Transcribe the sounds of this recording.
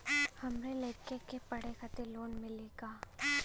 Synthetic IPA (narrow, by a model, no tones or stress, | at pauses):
hɐmɾeleːkekepɐɽekat̪eloːnmɪleɡaː